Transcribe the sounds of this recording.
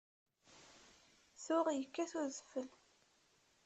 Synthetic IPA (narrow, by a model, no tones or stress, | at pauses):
θʊʁjəkːæθuzəfəl